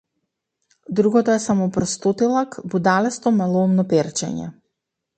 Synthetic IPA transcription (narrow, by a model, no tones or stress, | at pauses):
d̪ɾuɡɔt̪ɔɛsamɔpɾɔst̪ot̪ilˠakbud̪alɛst̪ɔmɛlˠɔmnɔpɛɾt͡ʃɛ̰ɲɛ̰